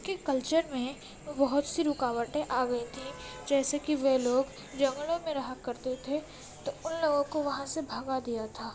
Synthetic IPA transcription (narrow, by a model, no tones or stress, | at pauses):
kekɐlt͡ʃəɾmẽ | bɐɦʊt̪siɾʊkaːʋəʈẽʔaːɡɐit̪ʰĩd͡ʒɛːsekiʋeɦloːɡ | d͡ʒɐ̃ŋɡlõmẽɾɐɦakɐɾt̪et̪ʰe | t̪oʊnloːɡõkoʋɐɦãsebʱɐɡad̪ijat̪ʰaː